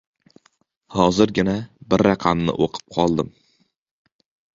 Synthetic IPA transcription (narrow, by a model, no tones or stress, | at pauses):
hɒzɪɾɡʲɪnabɪɾːɑqʰɑmnɪ̰ʔoqʰɨ̥p̚qʰɒlˠd̪ɪm